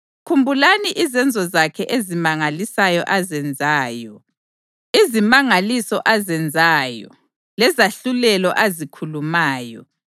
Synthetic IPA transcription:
kʰumbʱulaniʔizɛnd͡zʱɔzakʰɛʔezimaŋalisajɔ̰ʔazɛnd͡zʱaːjɔ | izimaŋalisɔʔazɛnd͡zʱaːjɔ̰ | lɛzaɬulɛlɔʔazikʰulumaːjɔ̰

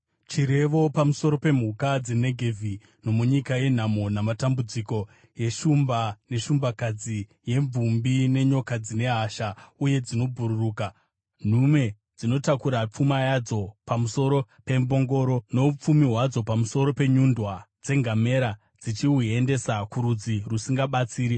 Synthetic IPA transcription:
t͡ʃiɾe̞ʋo̞pamuso̞ɾo̞pe̞m̤ukad͡ze̞ne̞ɡʱe̞vʱi | no̞muɲikaje̞n̤amo̞namatambud͡ziko̞ | je̞ʃumbane̞ʃumbakad͡zi | je̞ɱvumbine̞ɲo̞kad͡zine̞ɦaʃauje̞d͡zino̞bʱuɾuruːka | n̤ume̞ | d͡zino̞takuɾap͡fumajad͡zo̞pamuso̞ɾo̞ | pe̞mbo̞ŋɡo̞ɾo̞no̞up͡fumiɦwad͡zo̞pamuso̞ɾo̞pe̞ɲundwad͡ze̞ŋɡame̞ɾa | d͡zit͡ʃiɦuiende̞sakuɾud͡zirusiŋɡaɓat͡siːɾi

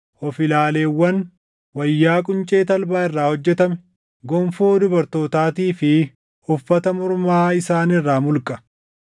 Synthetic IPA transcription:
ʔɔfɪlaːle̞ːwːɐn | wɐjːaːkʼʊnt͡ʃʼe̞ːt̪ɐlbaːɪrːaːhɔd͡ʒːɛt̪ɐmɛ | ɡɔmfoːd̪ʊbɐɾt̪o̞ːt̪aːt̪iːfɪ | ʊfːɐt̪ɐmʊɾmaːɪsaːnɪrːaːmʊlkʼɐ̥

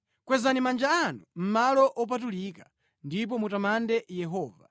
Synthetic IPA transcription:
kwɛzanimand͡ʒaanum̩malɔʔɔp̬atulikḁ | ndip̬ɔmutamandɛjɛɦɔːva̰

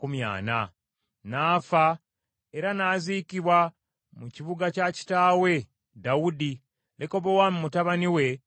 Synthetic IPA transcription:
kumja̰ːna | naːfa | e̞ɾanaːzikiβwa | muciβuɡacaci̥taːwe̞ | dawudi | leko̞βowammutaβaniwe̞

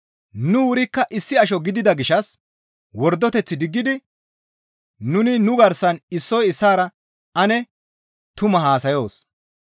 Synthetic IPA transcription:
nʊwʊɾɪkːɐʔɪsːɪɐʃ̬ɔɡɪd̪ɪd̪ɐɡɪʃɐs | wɔɾd̪ːɔt̪ɛt͡sːɪd̪ɪɡːɪd̪ɪ | nʊnɪnʊɡɐɾsɐnɪsːɔjɪsːaːɾɐ | ɐnɛ | t̪ʊmɐɦaːsɐjo̞ːs

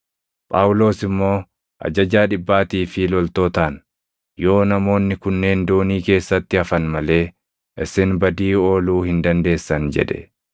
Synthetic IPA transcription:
pʼaːwʊlo̞ːsɪmːo̞ː | ʔɐ̰d͡ʒɐd͡ʒaːᶑɪbːaːt̪iːfɪlɔlt̪o̞ːt̪aːn | jo̞ːnɐmo̞ːnːɪkʊnːe̞ːnd̪o̞ːniːke̞ːsːɐt̪ːɪɐfɐnmɐle̞ː | ʔɪsɪnbɐd̪iːo̞ːluːhɪnd̪ɐnd̪e̞ːsːɐnd͡ʒɛ̰ᶑɛ̥̰

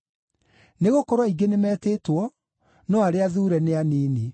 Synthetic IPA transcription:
neɣokɔɾwaiɡenemɛteːtwɔ | nɔaɾeaðuɾɛneaniːni

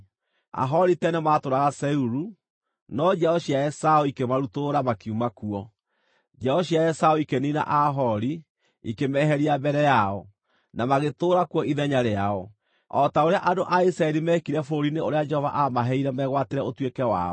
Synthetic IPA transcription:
a̰ɦɔɾitɛnɛmaːtoɾaɣasɛuɾu | nɔd͡ʒɛɔɕiaɛsaɔikemaɾutoɾamakiumakuɔ | d͡ʒɛɔɕiaɛsaɔikenina̰ʔaɦɔɾi | ikemɛɦɛɾiambɛɾɛjaɔ | namaɣetoːɾakuwɔʔiðɛɲaɾeaɔ | ɔtaoɾeaʔadoʔaisɾaɛɾimɛkiɾɛfoɾineoɾead͡ʒɛhɔva̰ʔamaɦɛiɾɛmɛɣwateɾɛotwekɛwa̰ɔ

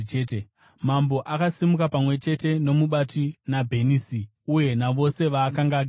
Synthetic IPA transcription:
t͡ʃeːte | mambo̞ʔakasimukapamwe̞t͡ʃe̞te̞no̞muɓatinabʱe̞niːsi | uje̞naʋo̞se̞ʋaːkaŋɡaːɡʱ

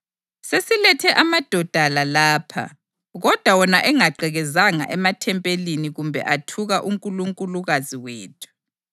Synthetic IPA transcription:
sesilɛtʰɛʔamad̥ʱɔd̥ʱalalaːpʰa̰ | ɣɔd̥ʱwawɔnaʔɛŋaǃʱɛɣɛzaŋa̰ʔɛmatʰɛmpʼeliniɣumbʱɛ̰ʔatʰuɣaʔuŋkʼuluŋkʼuluɣaziweːtʰu̥

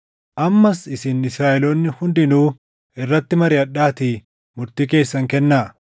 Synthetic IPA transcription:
ʔɐmːɐsɪsɪnɪsɾaːʔɛloːnːɪhʊnd̪ɪnuː | ɪrːɐt̪ːɪmɐɾɪɐᶑːaːt̪iː | mʊɾt̪iːke̞ːsːɐŋkɛnːaː

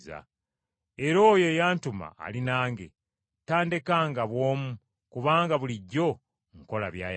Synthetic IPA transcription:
za̰ | eɾo̞ːje̞jaːntuma̰ːlinaːŋɡe̞̰ | taːndekaːŋɡaβwo̞ːmu | kuβaːŋɡaβuliɟːo̞ | ŋko̞laβjaːj

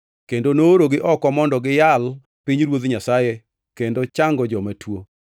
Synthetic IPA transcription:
kendonoːɾoɡɪʔɔkɔmɔndɔɡɪjal | pɪɲɾwot̪ɲasaje | kendot͡ʃaŋɡɔd͡ʒɔmatʰwo

